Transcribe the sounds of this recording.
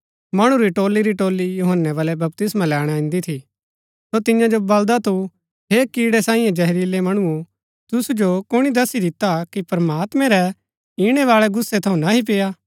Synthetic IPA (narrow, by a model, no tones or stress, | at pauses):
mɐɽ̃ũɾiʈoːlːiɾiʈoːlijuɦənːɛʋaːlɛbɐp̚t̪ɪsmãlɛːɽ̃aɪ̃nd̪it̪ʰi | sot̪ɪjãd͡ʒobɐld̪at̪u | ɦeːkiːɽɛsaːĩːjẽd͡ʒɐɦɾiːlemɐɽ̃ũu | t̪ʊsud͡ʒokʊɽ̃id̪ɐsid̪ɪt̪akipɐɾɐmaːt̪mɛ̃ɾɛ | iɽ̃ɛʋaːɭɛɡʊsːet̪ʰɐũnaɦip̬eːja